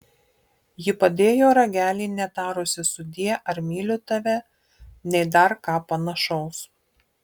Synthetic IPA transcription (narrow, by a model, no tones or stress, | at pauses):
jɪpɐd̪ʲeːjoːɾɐɡʲæːlʲiːnʲɛt̪ɑːɾʊsʲɪsʊd̪ʲiɛʔɐɾmʲiːlʲʊt̪ɐʋʲɛ | nʲɛɪd̪ɐɾkɑːpɐnɐʃɒʊs